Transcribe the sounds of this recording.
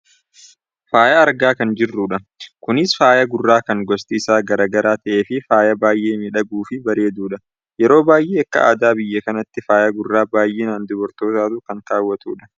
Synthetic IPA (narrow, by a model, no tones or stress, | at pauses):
faːjɐːɾɡaːkɐnd͡ʒɪrːuːᶑɐ | kʊnɪsfaːjɐɡʊrːaːkɐŋɡɔst̪ɪːsaːɡɐɾaːɡɐɾaːt̪ɐʔeːfɪfaːjɐbaːjʔe̞ːmːɪᶑɐɡuːfɪbɐɾe̞ːd̪uːᶑɐ | jɛɾo̞ːbaːjʔeːɐkːɐ̰ʔa̰ːd̪aːbɪjːɐkɐnɐt̪ːɪfaːjɐɡʊrːaːbaːjʔeːnaːnd̪ʊbɔɾt̪o̞ːt̪aːt̪ʊkɐŋkaːwːɐt̪uːᶑɐ̥